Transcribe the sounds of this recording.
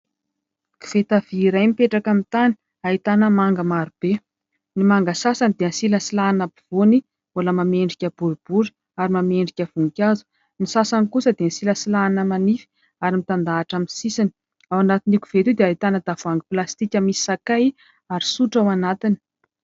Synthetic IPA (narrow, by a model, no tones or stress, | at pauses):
ki̥v̥et̪av̥iːɾajmipeʈ͡ʂakamit̪ani̥ | ait̪anəmaŋɡəmaɾub̥e | nimaŋɡəsasanid̪eənsiləsilanabiv̥oni | oləmameɳɖ͡ʐikʲəb̥uɾub̥uɾi̥ | aɾimameɳɖ͡ʐikʲəv̥uŋikʲazu̥ | nisasanikusəd̪ensiləsilanəmanifi̥ | aɾimit̪and̪aːʈ͡ʂamisisini̥ | awanat̪iniku̥v̥et̪ud̪eait̪anəd̪avuaŋɡiplast̪ikʲəmisi̥sakaj | aɾi̥suʈ͡ʂawanat̪ini̥